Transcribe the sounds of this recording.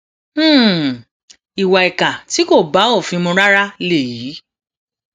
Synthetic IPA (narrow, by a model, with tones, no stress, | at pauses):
i˨wa˨ɛ˨ka˨ti˨˦ko˦˨ba˨˦o˦˨fĩ˧mõ˧ɾa˦ɾa˦le˦˨ji˨˦